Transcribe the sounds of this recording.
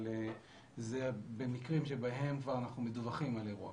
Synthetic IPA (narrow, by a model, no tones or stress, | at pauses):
le | zebe̞mikʁimʃe̞baɦe̞mkvaʁanaχnumeduvaχimaleʁua̰